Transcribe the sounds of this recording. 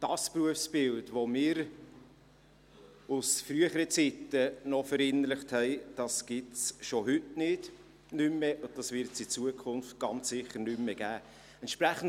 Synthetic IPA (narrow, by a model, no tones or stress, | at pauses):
d̥ɑspɾuəfsb̥ɪltvomɪːɾ | ʊsfryəχəɾət͡sitːənɔfəɾɪnəɾləχthɛɪd̥ɑsɡ̥ɪsʃoɦʏtnɪd̥ | nymːɛʔʊn̚d̥ɑsvɪɾtsɪt͡suəkʰʊnft̚ɡ̥ɑnt͡sːɪχəɾnymːɛɡ̥æː | ɛntʃpɾæχn̩